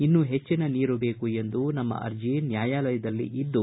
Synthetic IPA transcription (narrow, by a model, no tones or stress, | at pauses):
inːuɦe̞t͡ʃːinɐniːɾube̞ːkue̞nd̪unɐmːɐ̰ʔɐ̰ɾd͡ʒinjaːjaːlɐjɐd̪ɐlːḭʔid̪ːu